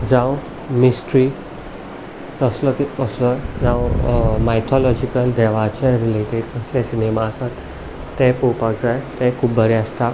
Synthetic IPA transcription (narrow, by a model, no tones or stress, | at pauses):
d͡zãw | misʈɾi | t̪əslɔkipəslɔd͡zãw̃majt̪ʰɔlɔd͡ʑikəld̪ɛʋat͡ɕɛ̃ɾileʈeɽkəslɛ̃sinemaəsan | t̪ɛ̃popakd͡zajt̪ɛ̃kʰuːbbʱəɾɛəst̪a